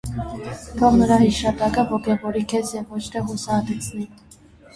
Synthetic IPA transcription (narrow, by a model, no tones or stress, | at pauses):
t̪ʰɔnəɾɑhiʃɑt̪ɑkəvɔkɛvɔɾikʰɛsjɛvːɔt͡ʃʰt̪ʰɛɦusɑt̪ʰɛt͡sʰnin